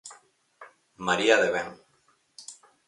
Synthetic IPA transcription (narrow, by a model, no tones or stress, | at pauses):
maɾiaðeβeŋ